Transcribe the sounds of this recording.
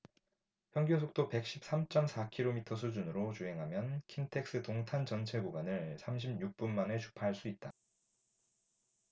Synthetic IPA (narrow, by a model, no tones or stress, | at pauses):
çjʌŋɡosʰok̚t͈ope̞k̚ɕ͈ʰip̚s͈amt͡ɕ͈ʌmsʰakʰiɾomitʰʌs̬ʰud͡ʑunɯɾot͡ɕuɦe̞ŋɦamjʌnkʰiŋtʰe̞k̚s͈ɯtoŋtʰant͡ɕʌnt͡ɕʰe̞ɡoɡanɯɭsʰamɕ̬ʰib̚ɲuk̚p͈unmanet͡ɕʰu̥pʰaɦaɭs͈uit̚t͈a